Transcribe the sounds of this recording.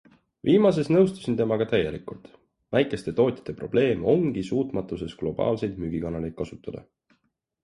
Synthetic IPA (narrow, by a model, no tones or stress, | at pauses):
vʔiːmɑs̬e̞snɤwst̪u̥sint̪e̞mɑɡ̥ɑt̪æjːe̞likult̪ | væjkˑe̞st̪e̞t̪o̞ːt̪ʲjɑ̥t̪ːe̞pro̞̰b̥le̞ːmo̞ŋɡ̥isuːt̪mɑt̪ːˑuse̞sɡ̥lo̞b̥ɑ̰ːlse̞jd̪̥myɡ̥ikɑnɑlej̪̚kɑsut̪ːˑɑd̪ɑ̰